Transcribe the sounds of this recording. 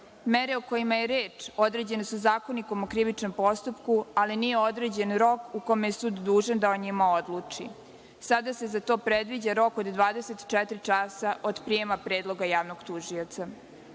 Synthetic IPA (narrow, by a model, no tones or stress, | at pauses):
meɾe̞uko̞jimajeɾeːt͡ʂo̞d̪ɾe̞d͡ʑe̞nesuzaːko̞niko̞mokɾiʋit͡ʃno̞mpo̞st̪upkualinije̞o̞d̪ɾe̞ːd͡ʑe̞nɾo̞kukomejesuːd̪ːuːʒand̪aoɲimao̞d̪luːt͡ʂḭ | sad̪ase̞zat̪oːpɾed̪ʋid͡ʑaɾo̞ko̞d̪d̪ʋaːd̪eset̪i̥t͡ʃɛt̪ɾit͡ʂasaʔod̪pɾijemapɾe̞ːd̪lˠo̞ɡajaːʋnoɡt̪uʒiot̪sa